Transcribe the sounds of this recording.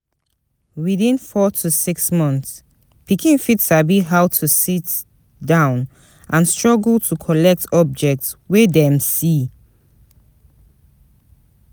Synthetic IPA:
wiðĩnfɔtʰusiksmɔ̃nθs | pikĩnfitsabiɦaʊtʰusit | dãʊ̃n | ʔãnstɹ̥ɔɡlˠtʰukʰɔlɛk̚tʰɔb̚d͡ʒɛk̚tswedɛ̃msi

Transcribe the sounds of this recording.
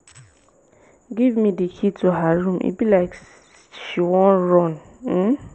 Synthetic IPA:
ɡivmĩdikʰituɦaɾũmʔḭbilaɪk | ʃiwɔ̃ɹɔ̃n | m̩

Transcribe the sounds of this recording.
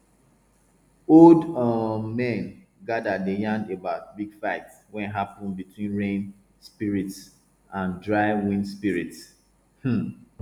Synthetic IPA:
oldmɛ̃nɡadadejãndebaʊt̚biɡ̥faɪt | wɛ̃nɦapɔ̃nbitʰwĩnɹẽn | spiɹits | ʔãndɹaɪwĩnspiɹits | h̩

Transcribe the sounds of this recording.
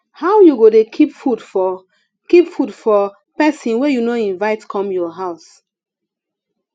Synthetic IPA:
hawjuɡodekʰipfudfɔ | kipfudfɔ | pɛsĩnwejunoĩnvaɪtkʰɔ̃mjɔɦaʊs

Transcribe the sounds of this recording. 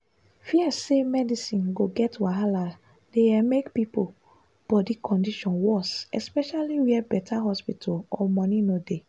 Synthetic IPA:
fiɛsemɛdisĩnɡoɡɛtwaɦala | deɛmekpipo | b̥ɔdikʰɔ̃ndiʃɔ̃nwɔsɛspɛʃaliwiɛbɛtʰaɦɔspitʰɔɔmɔ̃nĩnode

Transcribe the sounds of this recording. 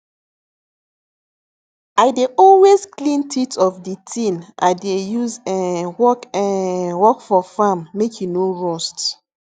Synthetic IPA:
aɪdeʔɔlwezklĩntʰitɔfditʰĩnʔa̰ɪdejuzɛ̃nwɔkɛ̃nwɔkfɔfamːekʰjinoɹɔst

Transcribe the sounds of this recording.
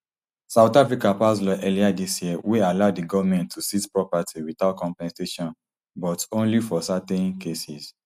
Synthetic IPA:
saʊtafɹikapas̬lɔʔɛliadisjiɛwealaʊdiɡɔvmɛ̃ntʰːusitpɹɔpatiwitakɔ̃mpɛ̃nseʃɔ̃n | bɔtõnlifɔsatɛ̃nkesis

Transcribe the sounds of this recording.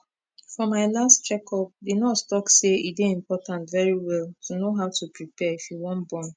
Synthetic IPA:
fɔmaɪlastt͡ʃɛkɔp̚didnɔtstɔkseideĩmpɔtãntvɛɹiwɛltʰunoɦaʊtʰupɹipɛifjuwɔ̃nbɔ̃m

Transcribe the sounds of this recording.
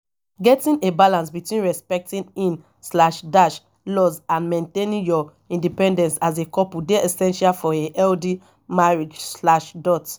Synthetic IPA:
ɡɛtĩnebalãnsbitwĩnɹɛspɛk̚tĩnĩn | slaʃdaʃ | lɔzãnmẽntẽnĩnjɔ | ĩndipɛ̃ndɛ̃nsazekɔpudeɛsɛ̃nʃalfɔeʔɛldi | maɹid͡ʒslaʃdɔt

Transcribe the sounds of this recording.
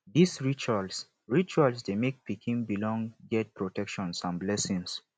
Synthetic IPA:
disɹit͡ʃals | ɹit͡ʃuals̬demek̚pikʰĩnbilɔ̃ŋɡɛt̚pɹotɛkʃɔ̃nsãnblɛsĩŋs

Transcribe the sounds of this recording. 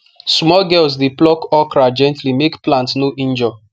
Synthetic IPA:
smɔlɡɛls̬diplɔkɔkɾad͡ʒɛ̃ntlimekplãntsnoʔĩnd͡ʒɔ

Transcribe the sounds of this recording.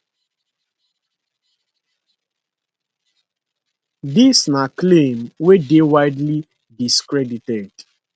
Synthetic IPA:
disnaklẽmwedewaɪdli | diskɹɛditɛd

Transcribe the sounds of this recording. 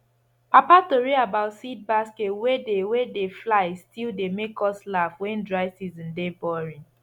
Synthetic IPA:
papatoɹiabaʊtsid̚basketwedewedeflaɪstʰildemekɔslafwɛ̃ndɹaɪsizɔ̃ndebɔɹĩn

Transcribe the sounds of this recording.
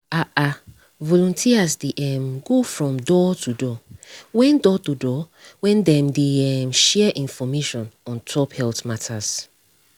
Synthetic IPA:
aʔa | vɔlɔ̃ntʰiasdeʔɛmɡofɹɔ̃mdɔtʰudɔwɛ̃ndɔtudɔ | wɛ̃ndɛ̃mdeɛmʃɛʔĩnfɔmeʃɔ̃nɔ̃ntʰɔphɛltmatʰaz̥

